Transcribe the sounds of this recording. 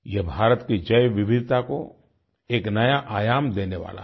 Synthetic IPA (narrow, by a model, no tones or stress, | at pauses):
jebʱaːɾət̪kid͡ʒɐjʋɪbʱɪd̪ʱt̪ako | eːknɐjaʔaːjaːmd̪eːneʋa̰ːla̰